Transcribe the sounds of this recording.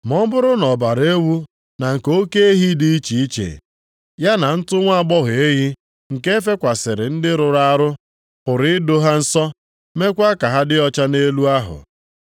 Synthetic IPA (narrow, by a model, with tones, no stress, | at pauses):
mɔ˦bʊ˦ɾʊ˦nɔ˨ba˨ɾe˦wu˦ | na˨ŋ̩˨ko˦ke˦e˦ɦi˦dɪ˦i˦t͡ʃi˨i˦t͡ʃḛ˨ | ja˦na˨n̩˦tʊ˦ŋʷa˦˨ɡ͡bɔ˦ɦe˦ɦi˦ | ŋ̩˨ke˦e˦fe˦kʷa˨sɪ˨ɾɪ˨n̩˦dɪ˦ɾʊ˨ɾa˦ɾʊ˦ | pʊ˨ɾɪ˦ɪ˦do˦ɦa˦n̩˦sɔ˦ | me˦kʷa˦ka˨ɦa˦dɪ˦ɔ˦t͡ʃa˦ne˦lu˦a˦ɦʊ̰˨